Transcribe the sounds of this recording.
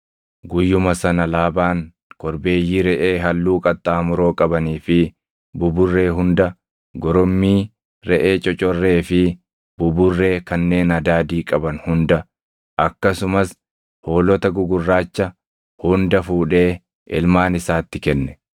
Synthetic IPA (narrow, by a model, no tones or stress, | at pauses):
ɡʊjːʊmɐsɐnɐlaːbaːŋ | kɔɾbe̞ːjːiːɾɛʔe̞ːɦɐlːuːkʼɐt̪ʼːaːmʊɾo̞ːkʼɐbɐniːfɪ | bʊbʊrːe̞ːɦʊnd̪ɐ | ɡɔɾɔmːiː | ɾɛʔeːt͡ʃʼɔt͡ʃʼɔrːe̞ːfɪ | bʊbʊrːe̞ːkɐnːe̞ːnɐd̪aːd̪iːkʼɐbɐnhʊnd̪ɐ | ʔɐkːɐsʊmɐs | ho̞ːlɔt̪ɐɡʊɡʊrːaːt͡ʃːɐ | hʊnd̪ɐfuːᶑe̞ː | ɪ̰lmaːnɪsaːt̪ːɪkɛnːɛ̥